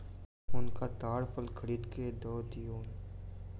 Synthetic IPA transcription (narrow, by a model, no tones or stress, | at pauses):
ʊnkat̪aːɽfəlkʰəɽiːd̪ked̪ɔːd̪ijoːn